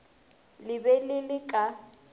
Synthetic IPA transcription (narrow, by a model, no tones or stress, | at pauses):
lɪbɛlɪlɪkʼa